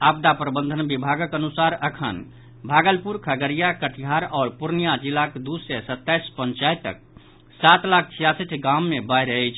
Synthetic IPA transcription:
abd̪apɾəbənd̪ʱənbibʱaɡəkənusaɾəkʰə̰n | bʱaɡəlpuɾkʰəɡəɾijakəʈʰiɦaɾɔːɾpuɾnijad͡ʒilakd̪usɛsət̪ːajspənt͡ʃajt̪ːə̰k̚ | sat̪lakʰt͡ʃʰijasiʈʰɡamːebajɾɛjt͡ʃʰ

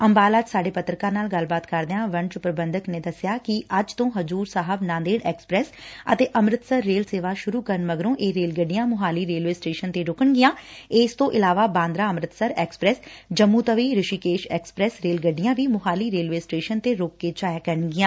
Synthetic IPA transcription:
əmbaːlaːd͡ʒsaːɖeːpət̪ɾkãːnaːlɡəlbaːt̪kəɾd̪eãːʋəɳt͡ʃʊpɾəbənd̪əkneːd̪əsɪjaːkɪʔəd͡ʒt̪õːɦəzuːɾsaːɦəbnãːnd̪eːɖɛːkspɾɛːsə̰t̪eːʔəmɾɪt̪səɾːeːlseːʋaːʃʊɾuːkəɾəɳməɡɾõːʔeːɾeːlɡəɖɪjãːmʊɦaːliːɾeːlʋeːsʈeːʃənt̪eːɾʊkəɳɡɪjãːeːst̪õːʔɪlaːʋaːbãːnd̪ɾaːəmɾɪt̪səɾɛːkspɾɛːsd͡ʒəmːuːt̪əʋiːɾɪʃiːkeːʃɛːkspɾɛːsɾeːlɡəɖɪjãːʋiːmʊɦaːliːɾeːlʋeːsʈeːʃənt̪eːɾoːkːeːt͡ʃaːjaːkəɾəɳɡɪjãː

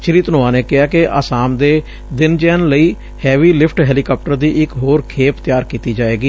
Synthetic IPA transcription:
t͡ʃɪɾiːt̪ənõːãːneːkɪɦaːkeʔa̰ːsaːmd̪eː | d̪ɪnd͡ʒɛːnləiː | hɛːʋiːlɪpʰʈɦɛːliːkaːp̚ʈəɾd̪iːʔɪkɦoːɾkʰeːpt̪ɪjaːɾkiːt̪iːd͡ʒaːeːɡiː

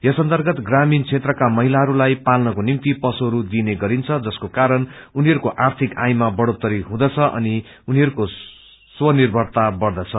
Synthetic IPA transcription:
jʌsʌnt̪ʌrɡʌt̪ɡramint͡sʰet̪rʌkamʌɦilaɦʌɾulajpalnʌkonimt̪ipʌsoɦʌɾud̪ineɡʌɾint͡sʰʌd͡zʌskokaɾʌnuniɦʌɾukoʔart̪ʰikajmabʌɽot̪ːʌɾiɦũd̪ʌt͡sʰʌʔʌ̰ni | uniɦʌɾuko | swʌnirbʱʌrt̪abʌrd̪ʌt͡sʰʌ

